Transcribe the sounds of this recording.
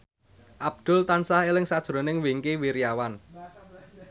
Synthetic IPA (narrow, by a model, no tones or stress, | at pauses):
ʔab̚d̪̥ʊ̤lt̪ansahelɪŋsad̥ʒ̥ɾo̤nɪŋweŋkewiɾijawan